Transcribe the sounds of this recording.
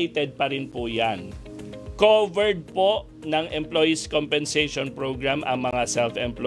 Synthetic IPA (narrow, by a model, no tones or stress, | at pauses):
jt̪ɛd̪̚pɐɾɪnpʊjan | kovɛɹd̪̚poʔ | nɐŋʔɛmplojɪskompɛnsɛjʃonpɹoɡɹamʔɐ̰ŋmɐŋasɛlfɛmpl